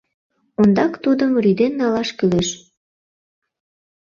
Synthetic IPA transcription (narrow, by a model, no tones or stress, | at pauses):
ond̪ɑkt̪ud̪əmryd̪enːɑlɑʃkyleʃ